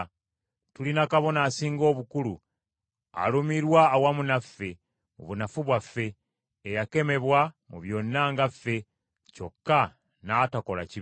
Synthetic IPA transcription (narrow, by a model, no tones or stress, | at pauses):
tulinakaβo̞naːsiːŋɡo̞ːβukulu | a̰lumiɾwaːwamunafːe̞ | muβunafuβwafːe̞ː | jake̞me̞βwa | muβjo̞nːaŋɡafːe̞ | co̞kːa | naːtako̞la̰ci